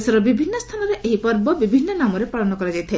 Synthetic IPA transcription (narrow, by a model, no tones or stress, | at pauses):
sɔɾɔbibʱinːɔst̪ʰanɔɾeʔeɦipɔɾbɔbibʱinːɔnamɔɾepaɭɔnɔkɔɾad͡ʒajt̪ʰe